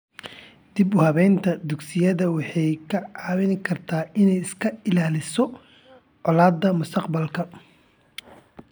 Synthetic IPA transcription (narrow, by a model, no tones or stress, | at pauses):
d̪̥ibʊhɐβɛnt̪ʰɐd̪ʊɡsɪjɐðɐwɑħɑjkʰɐʕɑːwɪnɪkʰɐrt̪ʰaːɪnɛjɪskʰɐɪlaːlɪsɔ | ʕɔlaːd̪ːɐmʊst̪ʰɐqbɐlkʰɐ